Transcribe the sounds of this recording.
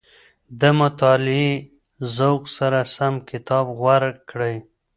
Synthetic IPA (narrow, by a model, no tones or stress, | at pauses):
d̪əmʊt̪ɑlɪi | zawksaɾasamkʰɪt̪ɑbɣwaɾkɽəj